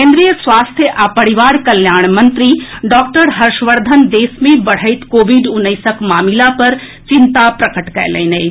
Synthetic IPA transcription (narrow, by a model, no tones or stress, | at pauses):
kẽːnd̪ɾijəsʋaːst̪ʰjəʔapɐɽiʋaːɾkɐljaːɳ̃mɐ̃nt̪ɾiɖɔːk̚ʈəɾɦɐɾʃʋəɾd̪ʱənd̪eːsmẽbɐɽ̤əɪt̪koːʋiɖʊnːəɪsəkmaːmilapɐɾ | t͡ʃɪnt̪apɾɐkəʈkɐ̰jlḛːnej